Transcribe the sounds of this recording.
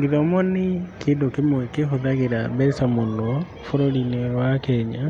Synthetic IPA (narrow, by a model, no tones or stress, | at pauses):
ŋɡeðɔmɔnikʰendokemoɛkeɦoðaɣeɾabɛsamondɔ | foɾolineɾwakɛɲa